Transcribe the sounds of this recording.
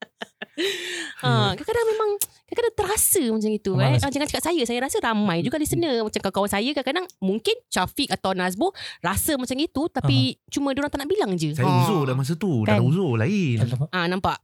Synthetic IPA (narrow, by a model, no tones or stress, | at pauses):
ʔəkajkadaŋmẽmãŋ | kajkadaŋt̪əɾasəmat͡ʃaŋit̪uaad͡ʒaŋant͡ʃakat̪̚sajəsajaɾasəɾamãjd͡ʒuɡalisənəmat͡ʃamkalkawansajəkajkadaŋmuŋkɪnt̪afɪk̚at̪awnas̬buʔrasəmat͡ʃaŋit̪ut̪apit͡ʃumə̃doɾaŋt̪anaʔbilaŋd͡ʒəsajauzodamas̬ət̪udauzolaɪʔanãmpaʔ